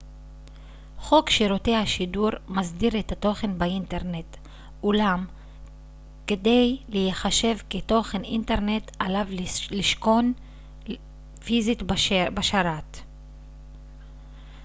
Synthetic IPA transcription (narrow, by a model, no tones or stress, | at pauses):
χo̞kʃiɾote̞haʃiduʁmazdiʁetato̞χe̞nbainte̞ʁne̞t | ʔulam | kede̞jlejeχaʃe̞vketo̞χe̞nʔinteʁne̞talavliʃko̞n | fizitbbaʃaɾat